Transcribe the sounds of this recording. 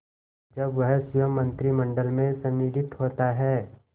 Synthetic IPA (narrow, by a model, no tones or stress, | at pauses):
d͡ʒɐbʋɐɦsjəmːə̃nt̪ɾimə̃ɳɖəlmẽsɐ̃niːd̪ʱɪt̪ɦoːt̪aɦɛː